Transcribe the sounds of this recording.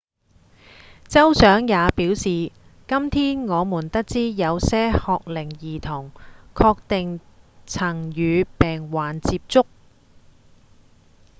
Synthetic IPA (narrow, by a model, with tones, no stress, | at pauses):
t͡sɐ˥wsœː˨˥ŋjaː˨˧piː˨˥wsiː˨ | kɐ˥mt̪ʰiː˥nŋɔː˨˧muː˨˩nt̪ɐ˥k̚t͡siː˥jɐ˨˧wsɛː˥hɔː˧k̚lɪ˨˩ŋjiː˨˩t̪ʰʊ˨˩ŋkʰɔː˧k̚t̪ɪ˨ŋt͡sʰɐ˨˩ŋjyː˨˧pɛː˨ŋwaː˨˩nt͡siː˧p̚t͡sʊ˥k̚